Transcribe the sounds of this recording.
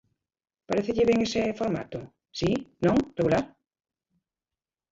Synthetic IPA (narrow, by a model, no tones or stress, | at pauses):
paɾeθeʎɪβeŋesefoɾma̰t̪ʊ | sinõŋreɣulaɾ